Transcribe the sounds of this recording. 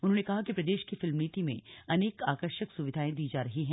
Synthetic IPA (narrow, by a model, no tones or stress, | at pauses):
ʊnɦõːnekɐɦakipɾɐd̪eːʃkifɪlmniːt̪imḛ̃ɐneːkaːkəɾʃəksʊʋɪd̪ʱaːẽd̪iːd͡ʒaːɾɐɦiɦɛ̃